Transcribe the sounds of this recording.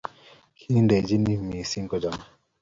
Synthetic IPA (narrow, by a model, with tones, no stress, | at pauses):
kʰi˦nde˨d͡ʒi˦ni˦˨mi˨si˦ŋkɔ˦d͡ʒa˨m˦